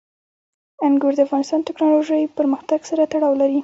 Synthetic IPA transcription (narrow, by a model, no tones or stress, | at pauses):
anɡoɾd̪əafɣɑnɪst̪ɑnt̪ɪknɑloʒəjpəɾməxt̪aɡsaɾat̪aɽɑwlaɾi